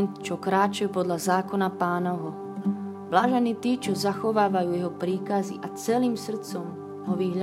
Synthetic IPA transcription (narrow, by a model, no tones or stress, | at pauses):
nt̪t͡ʃɔkɾaːt͡ʃɛjpɔd̪lazaːkɔnapaːnɔɦɔ | ʋlaːʒɛniːt̪iːt͡ʃɔzaxɔʋaːʋajuːjɛɦɔpɾiːkazḭʔat͡sɛliːmsr̩t͡sɔm | ɦɔʋiɦʎa